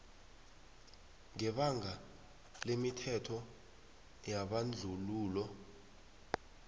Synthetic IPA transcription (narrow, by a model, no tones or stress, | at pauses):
ŋɛɓaŋa | lemitʰɛtʰɔ | jaɓand͡ɮʱuluːlɔ